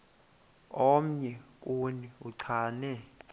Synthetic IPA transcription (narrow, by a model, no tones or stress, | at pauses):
ɔm̩ɲɛkʼuniuǀʰaːnɛ